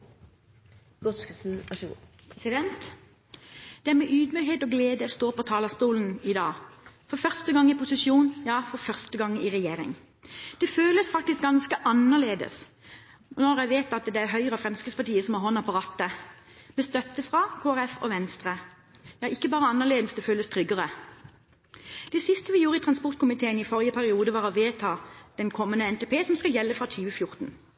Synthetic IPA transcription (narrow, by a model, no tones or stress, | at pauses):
ɡɔsk | sɪd̪ɛnt̪ | d̪̥ɛæɾmɛʔyːd̪myɦeːt̪ɔɡleːd̪əst̪oːpɔt̪ʰɑːləst̪uːln̩ɪd̪ɑːfɔɾfœʁst̪əɡɑŋːɪpʊsɪʃjuːnjɑːfɔɾfœʁst̪əɡɑŋːɪʁɛjeːɾɪ̰ŋ | d̪̥ɛføːləsfɑk̚t̪ɪsk̚ɡɑnskəʔɑnːəʁleːd̪ə̰s | nɔʁæɪʋeːt̪ɑt̪d̪ɛæɾɦœʏʁəɑfɾɛmskɪt̪spɑʈiːəsɔmhɑʁɦɔnːɑpɑʁɑːt̪ːə | mɛst̪œt̪ːəfʁɑkʰoːæʁɛfɔ̰ʋɛnst̪ʁə | jɑːʔɪkːəbɑːʁəɑnːəʁleːd̪əsd̪ɛføːləst̪ʰʁʏɡəʁə | d̪̥ɛsɪst̪əʋɪjuːʁəɪt̪ʰʁɑnspɔʁt̪̚kʰʊmɪt̪ʰeːənɪfɔʁjəpʰæʁɪuːd̪əʋɑːʁɔʋeːt̪ʰɑːd̪̥ɛnkʰɔmːənəɛnt̪epʰeːsɔmskɑljɛlːəfʁɑt̪ʰyːʋəfjʊʁt̪n̩